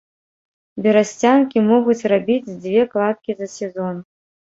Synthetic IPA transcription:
bʲɛɾasʲt͡sʲankʲimɔɣut͡sʲrabʲid͡zʲd͡zʲvʲɛklˠat̪̚kʲizɐsʲɛzɔn

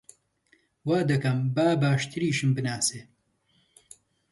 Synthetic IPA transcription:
waːd̪ɐkɐmbaːbaːʃt̪ʰɨɾiːʃɨmbɨnaːseː

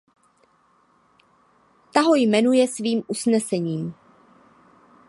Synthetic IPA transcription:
t̪aɦo̞jmɛnujɛsviːmʔusnɛsɛɲiːm

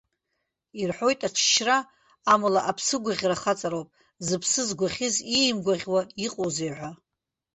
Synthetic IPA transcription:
irħʷo̞jtʼaʈ͡ʂʰʃraː | mulaʔapʰsɨɡʷaʁʲraχat͡sʼaɾowpʼ | zɨpʰsɨzɡʷaχʲɪzijmɡʷaʁʲwaiqʼozejʕʷa

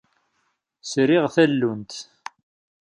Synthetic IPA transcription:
sɾiʁθælːunt̪

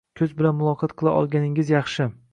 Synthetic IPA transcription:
kʲʰɵzbɪlanmʊlˠɒqʰɒt̪̚qʰɨlˠaʔɒ̰lˠɡʲanɪŋɪzjɑχʃɪ

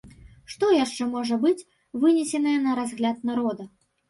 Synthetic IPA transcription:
ʂt̪ɔjaʂt͡ʂɛmɔʐɐbɨt͡sʲ | vɨnʲɛsʲɛnɐjɛnɐɾazɣlʲat̪naɾɔd̪ɐ

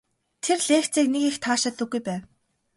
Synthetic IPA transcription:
t̪ʰerɮeːxt͡siːknekixt̪ʰaːʃăt̪ɵ̆ɡːujpæːw

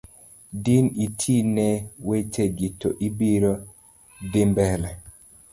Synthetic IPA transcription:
dinitʰinɛwet͡ʃeɡitoʔibiɾo | dɪmbɛlɛ

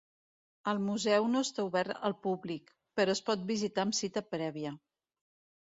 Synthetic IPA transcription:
əlˠmuzɛwnoəst̪auβɛɾt̪ə̰lˠpublik | pəɾɔəspɔt̪̚bizit̪aəmsit̪əpɾɛβ̞iə

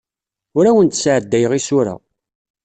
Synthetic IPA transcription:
ʊɾæwənt̪sʕəd̪ːæjəʁisʊɾa̰

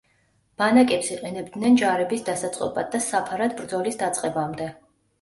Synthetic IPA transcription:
b̥anakʼɛpsiqʼɛnɛbd̪nɛnd͡ʒaɾɛbisd̪asat̪sʼqʼɔ̰bʼad̪ːasapʰaɾad̪bɾd̪zɔlisd̪at̪sʼqʼɛbamd̪ɛ

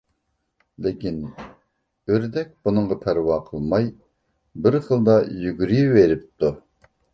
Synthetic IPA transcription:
lɪkʲin | øɾd̪ɛk̚ʲbunɨŋʁɑt̪ʰæɾwɑqʰəlˠmɑj | bɪɾχəlˠd̪ɑjyɡʲyɾyjiveɾɪp̚t̪u

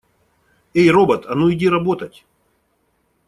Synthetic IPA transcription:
ejrobət̪ɐnoɪdʲiɾɐbot̪ətʲ

